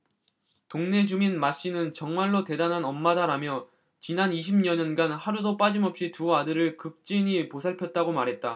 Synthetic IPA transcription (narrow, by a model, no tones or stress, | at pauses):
toŋne̞d͡ʑuminmaɕ͈inɯnt͡ɕʌŋmaɭːote̞danɦanʌmːadaɾamjʌ | t͡ɕinaniɕʰimɲʌɲʌnɡanhaɾudop͈ad͡ʑimʌp̚ɕ͈ituadɯɾɯɭkɯk̚t͡ɕ͈iɲiposʰaɭpʰjʌt̚t͈aɡomaɾɦe̞t̚t͈a